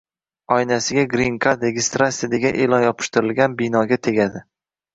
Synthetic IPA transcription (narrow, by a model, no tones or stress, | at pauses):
ɒjnasɪɡʲaɡɾiŋkʰad̪ɾeɡʲɪst̪ɾasʲiad̪eɡʲaʔe̞lɒnjɒpʰɪ̥ʃt̪ʊɾɪlɡʲanbɪnɒɡʲat̪ʰe̞ɡʲad̪ɪ